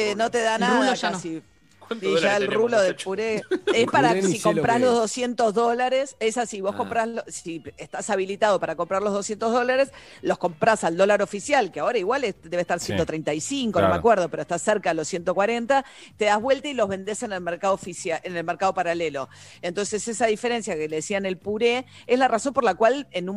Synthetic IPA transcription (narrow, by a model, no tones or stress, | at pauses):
enot̪eðanaðasi | d̪iʒaelruloðepuɾeespaɾasikompɾazlozðosje̞nt̪o̞zðo̞laɾesesasiβo̞hko̞mpɾalosieht̪asaβilit̪að̞o̞paɾako̞mpɾaɾlo̞ɦð̞o̞sje̞nt̪oɦðo̞laɾes | lo̞hko̞mpɾasald̪o̞laɾo̞fisjalkeaoɾaiɣwaled̪e̞βeht̪aɾsjent̪ot̪ɾejnt̪aisiŋkonomea̰kweɾð̞o̞peɾoest̪aseɾkaelo̞sːje̞nt̪o̞kwaɾe̞nt̪a | t̪e̞ðazβwe̞lt̪ailo̞ɦβe̞nd̪e̞senelmeɾkaðofisjaenelmeɾkað̞o̞paɾalelo̞ | ent̪o̞nse̞sesaðifeɾe̞nsjakeleðesiane̞lpuɾe | ezlaraso̞mpo̞ɾlakwalenu